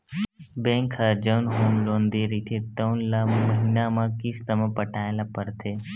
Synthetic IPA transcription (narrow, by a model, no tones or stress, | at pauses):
bẽŋkʰəd͡ʒəwnɦoːmlõːnd̪iɾit̪ʰet̪əwnlaməɦinamãkist̪əmə̃pəʈʰaːelapəɾt̪ʰeː